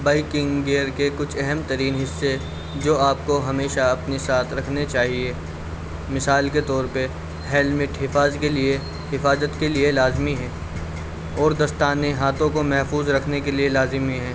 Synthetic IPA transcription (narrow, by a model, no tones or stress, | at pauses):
baːɪkɪ̃ŋɡɡeːɾkekʊt͡ʃʰɛɦɛmt̪ɐɾiːnɦɪsːe | d͡ʒoːaːp̚koɦɐmeːʃaɐpnesaːt̪ʰɾɐkʰnet͡ʃaːɦie | mɪsaːlket̪ɔːɾpɐ | ɦɛːlmɪʈɦɪfaːzkelie | ɦɪfaːzət̪kelielaːzmiɦɛ̃ː | ɔːɾd̪ɐst̪aːneɦaːt̪õkomɛɦfuːzɾɐkʰnekelielaːzɪmiɦɛ̃ː